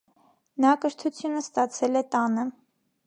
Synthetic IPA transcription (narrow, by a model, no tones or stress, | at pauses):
nɑkəɾt̪ʰut͡sʰjunəst̪ɑt͡sʰɛlɛt̪ɑnə